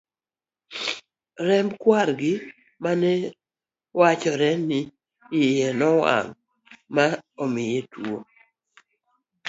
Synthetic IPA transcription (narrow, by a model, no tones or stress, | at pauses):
ɾɛmbkwaɾɡɪ | manɛ | wat͡ʃɔɾɛnɪ | ɪjɛnɔwa̰ŋ | maɔmɪjetwo